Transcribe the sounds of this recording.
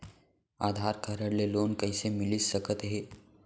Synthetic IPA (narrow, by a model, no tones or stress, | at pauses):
aːd̪ʱaɾkʰaɾəɽleloːnkəisemɪlisəkət̪ɦe